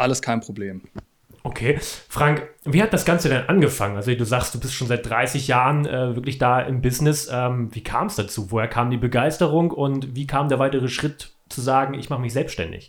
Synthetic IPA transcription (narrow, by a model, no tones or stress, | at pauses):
ʔaləskʰaɪnpʁ̥obleːm | ʔokʰeːfʁ̥aŋkviːhat̚d̥asɡ̥ant͡sədɛnʔanɡəfaŋənʔalzoduːzaχst̚d̥uːbɪstʃoːnzaɪt̚d̥ʁaɪsɪçjaːʁənʔɛːvɪɐklɪçd̥aːʔɪmbɪsnɪsʔɛːmviːkʰa̰ːmsd̥at͡suːvoːheːɐkʰaːmdiːbəɡaɪstəʁʊŋkʊntviːkʰaːmdeːɐvaɪtəʁ̞əʃʁ̥ɪt | t͡suzaːɡŋ̩ɪçmaχəmɪçz̥ɛlpstʃtɛ̰ndɪ̰ç